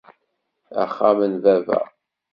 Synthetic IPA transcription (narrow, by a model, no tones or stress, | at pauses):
æ̰χːamənvævæ̰